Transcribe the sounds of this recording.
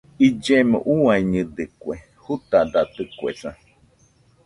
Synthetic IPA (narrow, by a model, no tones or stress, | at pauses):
id͡ʒemõ̰ʔuaiɲɨd̪ɨkwe | hut̪ad̪at̪ɨkuḛsã